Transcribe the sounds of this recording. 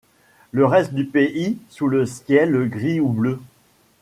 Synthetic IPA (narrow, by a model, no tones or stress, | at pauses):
ləʁɛst̪̚d̪ypeʔisuləskʲjɛləɡʁiublø